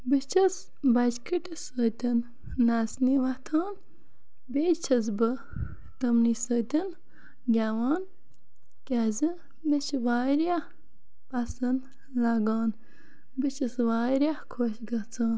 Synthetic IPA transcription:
bɨt͡ʃʰɐs | bɐd͡ʒkiʈisət̪ʲɐnː | asniːʋɐt̪ʰaːn | beːt͡ʃʰɐz̬bɨ | t̪ɐmniːsəːt̪ʲɐn | ɡʲaʋaːn | kʲazɨ | met͡ʃʰiʋaːɾja | pɐsɐn | lɐɡɑːn | bɨt͡ʃʰɐsʋaːɾjakʰoːʃɡɐt͡sʰaːn

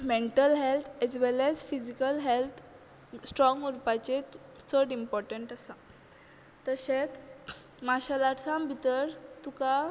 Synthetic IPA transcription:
mẽɳʈəlɦelt̪ʰɛzʋɛlɛzfid͡ʑikəlɦelt̪ʰ | sʈɾɔ̃ŋɡuɾpat͡ɕe | t͡səɽimpɔɾʈəɳʈəsa | t̪əɕẽt̪ | maɕalaʈsãmbʱit̪əɾt̪uka

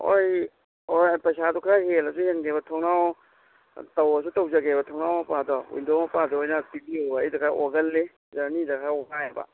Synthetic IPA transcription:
o̰j | opɐjsadukʰɾahelɐsuhenɡebɐtʰɔŋnaw | tɐwɐs̬utɐwd͡ʒaɡebɐtʰɔŋnawmɐpadɔṵjndɔmɐpadɔojnatibiobajdakʰaʔoɡɐlːe | zanidakʰaoɡajebɐ̰

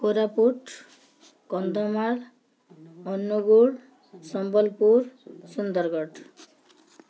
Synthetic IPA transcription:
koɾapuʈ | kʌnd̪ɔmaɽ | ɔnːuɡuɽ | sɔmbʌlpuɾsund̪ʌɾɡʌʈ

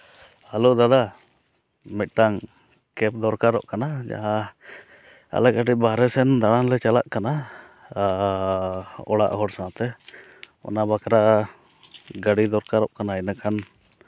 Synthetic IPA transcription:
alud̪ad̪a | mit̪̚ˀʈaŋ | kɛp̚d̪ɔɾkaɾɔ̰ʔkanad͡ʒa̰ɦa | a̰lɛkaʈɛbaɾɛsɛnd̪aɽ̃anlɛt͡ʃala̰ʔkana | ɔɽa̰ʔhɔɽsãt̪ɛ | ɔ̰nabakɾa | ɡaɽid̪ɔɾkaɾɔʔkanainakʰan

